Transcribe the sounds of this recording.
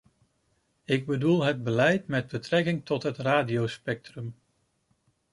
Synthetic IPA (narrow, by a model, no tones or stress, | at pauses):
ɪɡ̚bədulˠɦəd̚bəlɛjtmɛd̚bətrɛkɪŋtɔtɦətraːdiowspɛk̚trəm